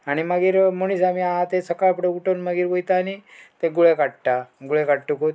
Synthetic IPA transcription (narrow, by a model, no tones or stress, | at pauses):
aɽ̃imaɡiːɾmoñisamiaɦãt̪esəkajpuɽeuʈonməɡiːɾʋojt̪aːnit̪eɡuɭekaʈʈ̪aɡuɭekaɽʈ̪ukɦot̪